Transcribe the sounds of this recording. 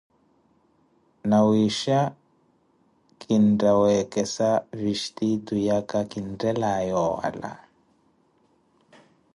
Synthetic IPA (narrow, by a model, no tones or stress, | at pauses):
nawiʃa | kʰindawɛkɛsaviʃtidujakakindɛlajɔa̰la̰